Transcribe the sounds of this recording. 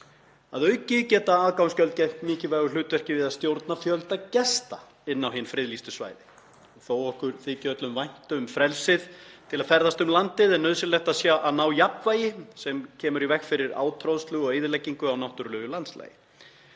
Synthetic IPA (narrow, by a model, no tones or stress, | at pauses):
aðœɥcɪcɛːt̪aaːðkawnscœlt̪̚cajm̥t̪mɪːcɪvɛɣʏl̥ʏːt̪vɛr̥cɪvɪðaðst̪jowɾt̪nafjœlt̪acɛst̪a | ɪnːawɦɪnfɾɪðlist̪ʏsva̰ːjðɪ | θoːwɔhkʏɾ̥θɪcœt̪lʏmvajn̥t̪ʏʏmfɾɛlsɪðt̪ʰɪlaðfɛɾðast̪ʏmlant̪ɪðɛnːœðsɪlɛxt̪asjaʔanaːwjapvaːjɪsɛmcʰɛːmʏɾivɛxkfɪɾɪɾa̰ːwt̪ʰɾoðst̪lʏɣɔɣeːjðɪlɛjcːiŋkʏawnawht̪ʏɾlœːɣʏlant̪sla̰ːjɪ